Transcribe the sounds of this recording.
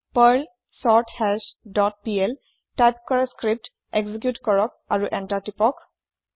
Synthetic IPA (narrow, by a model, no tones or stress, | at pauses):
pəɹl | sɔɹtʰhɛlsdɔt̚piel | tajp̚kɔɹaskɹip̚t | eɡzikjutkɔɹɔk̚ | aɹuʔɛntaɹtipɔk